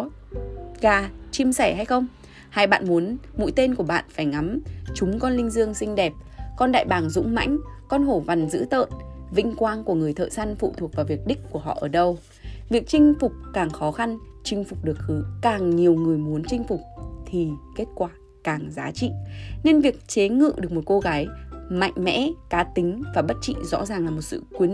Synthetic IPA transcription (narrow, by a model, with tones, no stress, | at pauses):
ɣaː˨˩t͡ɕi˧msɛ˧˩ha˧jxə˧wŋ͡m | ha˧˩jɓa̰ː˧˨nmu˨˦ənmṵ˧˥jt̪e˧nku˧˩əɓa̰ː˧˨nfaː˧˩jŋa˨˦mt͡ɕʊ˨˦ŋ͡mkɔ˧nlï˧ŋ̟zɨ˧əŋsï˧ŋ̟ɗɛ˨˩p̚kɔ˧nɗa̰ː˧˨jɓaː˨˩ŋzʊ̰˧˥ŋ͡mma̰˧˥jŋ̟kɔ˧nɦo˧˩va˨˩nzɨ̰˧˥t̪ə̰ː˧˨nvï˧ŋ̟kwaː˧nku˧˩əŋɨ˨˩əjt̪ʰə̰ː˧˨jsa˧nfṵ˧˨t̪ʰu˨˩ək̚vaː˨˩wvi˨˩ək̚ɗï˦˥k̟̚ku˧˩əɦɔ̰˧˨ʔəː˧˩ɗə˧w | vi˨˩ək̚t͡ɕï˧ŋ̟fʊ˨˩k͡p̚kaː˨˩ŋxɔ˨˦xa˧n | t͡ɕï˧ŋ̟fʊ˨˩k͡p̚ɗɨ˨˩ək̚xɨ˨˦kaː˨˩ŋɲi˨˩əwŋɨ˨˩əjmu˨˦ənt͡ɕï˧ŋ̟fʊ˨˩k͡p̚t̪ʰi˨˩ke˦˥t̚kwaː˧˩ | kaː˨˩ŋzaː˨˦t͡ɕḭ˧˨ne˧nvi˨˩ək̚t͡ɕe˨˦ŋɨ̰˧˨ɗɨ˨˩ək̚mo˨˩t̚ko˧ɣaː˨˦jma̰˧˨jŋ̟mɛ̰˧˥kaː˨˦t̪ï˨˦ŋ̟vaː˨˩ɓə˦˥t̚t͡ɕḭ˧˨zɔ̰˧˥zaː˨˩ŋlaː˨˩mo˨˩t̚sɨ̰˧˨kwi˨˦ə